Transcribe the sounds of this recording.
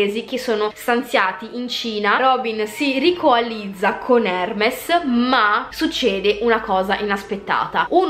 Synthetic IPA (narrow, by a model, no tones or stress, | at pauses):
eːzik̟esoːnost̪ant̪sjaːt̪iʔint͡ʃiːnaɾɔbinsirikoalid̪zːakʰonɛrmesmasut͡ʃːɛːd̪eʔunakɔːzaʔinaspet̪ːa̰ːt̪aun